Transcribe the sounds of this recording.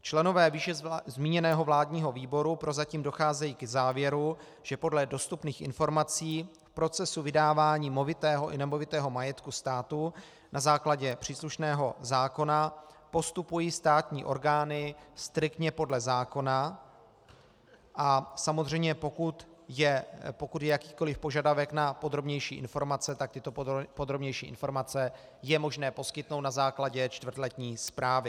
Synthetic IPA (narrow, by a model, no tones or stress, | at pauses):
t͡ʃlɛno̞vɛːviːʃɛzmiːɲɛnɛːɦo̞vlaːdɲiːɦo̞viːbo̞ɾupɾo̞zaciːmdo̞xaːzɛjiːkɛzaːvjɛɾu | ʒ̥ɛpo̞dlɛdo̞st̪upniːxʔɪ̰nfo̞ɾmat͡siːfpɾo̞t͡sɛsuvɪdaːvaːɲiːmovɪt̪ɛːɦo̞ʔɪnɛmovɪt̪ɛːɦo̞majɛt̪kust̪aːt̪u | nazaːklaɟɛpr̝̥iːsluʃnɛːɦo̞zaːko̞napo̞st̪upujiːst̪aːt̪ɲiːʔo̞̰ɾɡaːnɪst̪ɾɪkt̪ɲɛpo̞dlɛzaːko̞na | ʔasamozr̝ɛjmɲɛpo̞kut̪jɛpo̞kut̪jɛjakiːko̞lɪfpo̞ʒadavɛknapo̞d̪ɾo̞bɲɛjʃiːʔɪ̰nfo̞ɾmat͡sɛt̪ak̚t̪ɪt̪o̞po̞d̪ɾo̞bɲɛjʃiːʔɪ̰nfo̞ɾmat͡sɛ | jɛmo̞ʒnɛːpo̞skɪt̪nowt̪nazaːklaɟɛt͡ʃt̪vrt̪lɛt̪ɲiːspɾaːvɪ